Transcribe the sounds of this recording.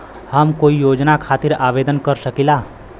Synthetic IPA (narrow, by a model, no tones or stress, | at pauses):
həmkoːijoːd͡ʒnakʰaːt̪ɪɾaːʋeːd̪ənkəɾsəkilaː